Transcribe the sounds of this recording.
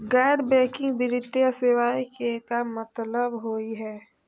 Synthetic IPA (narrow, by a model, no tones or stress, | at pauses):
ɡɛːɾbɛ̃ːkɪ̃ŋɡbɪɾɪd̪eseʋaːikekamət̪ləbɦoːiɦɛː